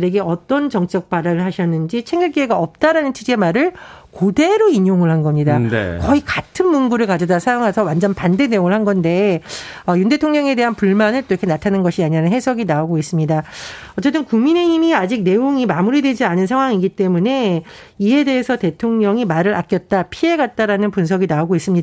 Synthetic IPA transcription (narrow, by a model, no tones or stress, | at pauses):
ɾe̞ɡe̞ʌt͈ʌnt͡ɕʌŋt͡ɕ͈ʌk̚p͈aɾaɾɯɭɦaɕʰʌnːɯnd͡ʑit͡ɕʰe̞ŋɡɯɭk͈ieɡaʌp̚t͈aɾanɯnt͡ɕʰid͡ʑemaɾɯɭkode̞ɾoiɲoŋɯɭhanɡʌmɲidan̰kʌikatʰɯnmunɡuɾɯɭkad͡ʑʌdasʰajoŋɦasʰʌwand͡ʑʌnpande̞ne̞joŋɯɭhanɡʌnde̞ʌjunde̞tʰoŋɲʌŋe̞de̞ɦanpuɭmanɯɭt͈oɾʌkʰe̞natʰanɯnɡʌɕʰiaɲiɾanɯnɦe̞sʰʌɡinaoɡois͈ɯmɲidaʌt͡ɕ͈et͈ɯnkuŋmineimiad͡ʑik̚ne̞oŋimamuɾidwe̞d͡ʑianɯnsʰaŋɦwaŋiɡit͈e̞mune̞ | ie̞de̞ɦesʰʌte̞tʰoŋɲʌŋimaɾɯɾʔa̰k͈jʌt̚t͈apʰie̞ɡat̚t͈aɾanɯnpunsʰʌɡinaoɡois͈ɯmɲida